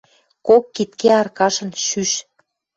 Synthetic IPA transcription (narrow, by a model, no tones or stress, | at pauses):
kokːit̪keɑrkɑʃə̆nʃyʃ